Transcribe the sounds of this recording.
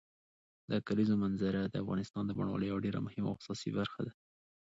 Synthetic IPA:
d̪əkalizomanzaɾad̪əafɣɑ̰nɪst̪ɑnd̪əbɑ̰ɳwɑ̰ləjawaɖeɾa̰mʊhɪma̰sɑsḭbaɾxad̪a

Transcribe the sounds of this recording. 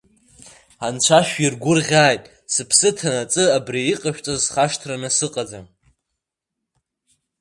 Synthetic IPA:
ant͡ɕʷʰaʃᶣirɡʷʊrʁʲaːjtʼ | sɨpʰsɨtʰanat͡sʼɨabriiqʼaʃᶣt͡sʼazχaʂtʰranɨsɨqʼad͡za

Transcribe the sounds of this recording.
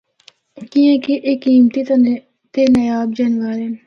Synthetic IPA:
kiẽkiʔekːiːmt̪i | t̪enɐjaːbd͡ʒɐnʋaːɾe

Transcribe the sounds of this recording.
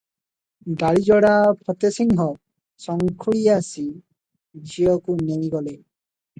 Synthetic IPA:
ɡaɽid͡ʒɔɽapʰɔt̪esiŋɦɔ | sɔŋkʰuɭiasi | d͡ʒijɔkunej̃ɡɔle

